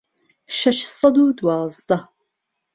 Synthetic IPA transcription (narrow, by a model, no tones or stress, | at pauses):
ʃɐʃsˤɑd̪uːd̪wɑːzˤd̪ɑ